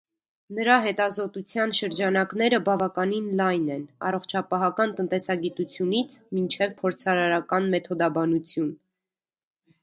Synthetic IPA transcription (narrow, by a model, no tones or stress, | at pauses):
nəɾɑɦɛt̪ɑzɔt̪ut͡sʰjɑnʃəɾd͡ʒɑnɑknɛɾəbɑvɑkɑninlɑjnɛnɑ̰rɔχt͡ʃʰɑpɑɦɑkɑnt̪ənt̪ɛsɑɡit̪ut͡sʰjunit͡sʰmint͡ʃʰɛvpʰɔɾt͡sʰɑɾɑɾɑkɑnmɛt̪ʰɔd̪ɑbɑnut͡sʰjun